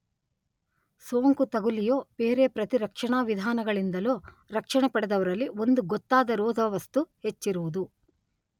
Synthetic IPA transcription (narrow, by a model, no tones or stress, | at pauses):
soːŋkut̪ɐɡulijo̞ːpeːɾepɾɐt̪iɾɐkʂɐɳaːʋid̪ʱaːnɐɡɐɭind̪ɐloː | ɾɐkʂɐɳɐpɐɽɛd̪ɐʋɐɾɐlːio̞nd̪uɡɔt̪ːaːd̪ɐɾoːd̪ʱɐʋɐst̪uhe̞t͡ʃːiɾuʋud̪u